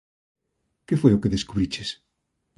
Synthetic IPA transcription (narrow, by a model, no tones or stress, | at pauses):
kefweokeðeskuβɾit͡ʃes